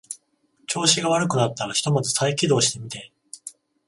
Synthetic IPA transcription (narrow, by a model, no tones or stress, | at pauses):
t͡ɕo̞ːɕiɡaβ̞aɾɯ̟kɯ̟nat̪ːaɾaçi̥t̪o̞madosaikʲid̪o̞ːɕi̥t̪e̞mʲit̪e̞